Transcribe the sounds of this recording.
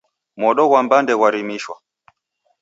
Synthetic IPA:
mɔɗɔɣwambandɛɣwaɾimiʃwa

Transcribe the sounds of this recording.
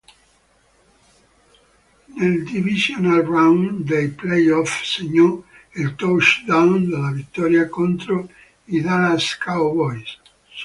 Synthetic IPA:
neld̪ivizjonalrawnd̪ejplejɔfseɲːɔ | ilt̪ɔʃd̪awnd̪elːavit̪ːɔːɾjakont̪ɾo | id̪anaskawvɔjs

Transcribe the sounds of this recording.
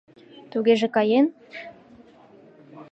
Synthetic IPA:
t̪uɣeʒĕkɑjen

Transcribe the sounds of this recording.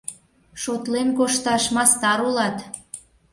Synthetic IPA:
ʃot̪lenkoʃt̪ɑʃmɑst̪ɑɾulɑt̪

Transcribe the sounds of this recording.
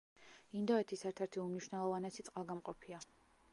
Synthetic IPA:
ind̪ɔɛt̪ʰisɛɾt̪ʰɛɾt̪ʰiumniʃwnɛlˠɔvanɛsit̪sʼqʼalˠɡamqʼɔpʰia

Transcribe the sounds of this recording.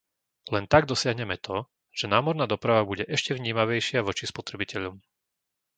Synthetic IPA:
lɛnt̪aɡd̪ɔsɪaɦɲɛmɛt̪ɔ | ʒ̥ɛnaːmɔɾnaːd̪ɔpɾaʋabuɟɛʔɛʃcɛʋɲiːmaʋɛjʃɪaʋɔt͡ʃispɔt̪ɾɛbicɛʎɔm

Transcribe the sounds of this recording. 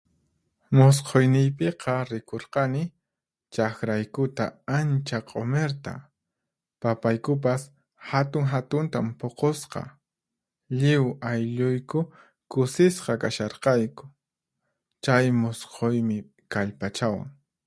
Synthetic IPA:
mʊs̬qʰojnɪjpeqɑɾɪkoɾqɑnɪ | t͡ʃakɾajkʊt̪aant͡ʃaqʼomeɾt̪a̰ | papajkʊp̬as | hat̪ʊŋɦat̪ʊnt̪ampoqosqɑ̰ | ʎɪwajʎʊjkʊ | kʊsɪsqɑkaʃɑɾqɑjkʊ̥ | t͡ʃajmʊsqʰojmɪ | kaʎpat͡ʃawa̰ŋ

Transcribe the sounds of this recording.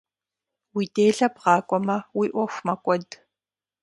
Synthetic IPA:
wiːdeːɮɐpʁɑːkʷʼɔmɐwiːʔʷɔxʷmɐkʷʼɔd

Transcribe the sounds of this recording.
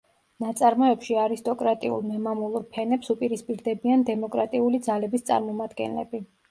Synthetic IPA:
nat̪sʼaɾmɔɛpʃiaɾist̪ʼɔkʼɾat̪ʼiṵlˠmɛmamulˠuɾpʰɛnɛpsupʼiɾispʼiɾd̪ɛbiand̪ɛmɔkʼɾat̪ʼiulid̪zalɛbist̪sʼa̰ɾmɔmad̪ɡɛ̰nlɛ̰bi

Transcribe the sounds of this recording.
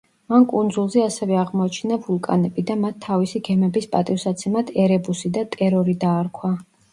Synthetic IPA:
mankʼund̪zulˠzɛasɛvɛaʁmɔat͡ʃʰɛnavulˠkʼa̰nɛbid̪amat̪ʰːavisiɡɛmɛbispʼat̪ʼifsat̪sʰɛmad̪ʰɛɾɛbusid̪at̪ʼɛɾɔɾid̪aːɾkʰwa

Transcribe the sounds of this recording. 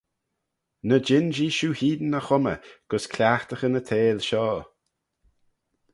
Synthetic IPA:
nəd͡ʒɪnd͡ʒiːʃuːhiːd̪ən̩əxʊmə̰ɡ̥əskʰlʲaːxt̪əxənət̪ʰeːlʃɔː

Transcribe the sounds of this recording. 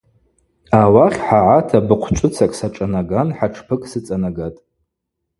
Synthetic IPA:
awaχʲħaʕatʰabɨqʷʰt͡ʃʷʼʊt͡sʰakʼsaʈ͡ʂʼanaɡanħaʈ͡ʂʰpʰɨkʼsɨt͡sʼanaɡatʼ

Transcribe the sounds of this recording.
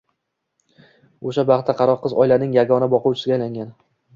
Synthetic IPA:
oʃabɑχt̪ʰaqʰɑɾɒqʰːɨzɒjlaɾnɪŋjaɡɒnabɒqʊwt͡ʃʰɪsɪɡʲajlaŋɡʲan

